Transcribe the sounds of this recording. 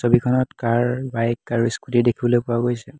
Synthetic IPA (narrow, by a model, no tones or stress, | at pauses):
sobikʰɔnɔtkaɹbajkːaɹuiskutidekʰibɔlojpʊaɡojsɛ